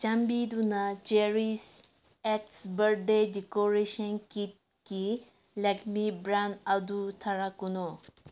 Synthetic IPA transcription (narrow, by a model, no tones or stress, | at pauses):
t͡ʃɐmbid̪unat͡ʃeɾis | ɛk̚sbəɾɖedikoɾeʃɐnkit̪̚ | ki | lɐkmibɾãnɐd̪ut̪ʰɐɾakuno